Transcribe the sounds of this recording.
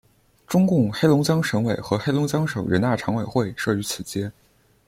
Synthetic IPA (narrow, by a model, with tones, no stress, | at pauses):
ʈ͡ʂʊ˥ŋkʊ˥˩ŋxe˥ɪlʊ˧˥ŋt͡ɕjɑ˥ŋʂɤ˧˥ŋwe˨˩ɪxɤ˧˥xe˥ɪlʊ˧˥ŋt͡ɕjɑ˥ŋʂɤ˨˩ŋɻə˧˥nt̪a˥˩ʈ͡ʂʰɑ˧˥ŋwe˨˩ɪxwe˥˩ɪʂɤ˥˩y˧˥t͡sʰɹ̩˨˩t͡ɕjɛ˥n